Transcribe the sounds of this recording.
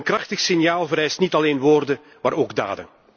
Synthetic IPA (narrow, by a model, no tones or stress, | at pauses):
nkrɑxtəxsɪnjaːlˠvəɾɛjstnitɑleːnʋoːrdə | maːɾoːɡda̰ːdə̰n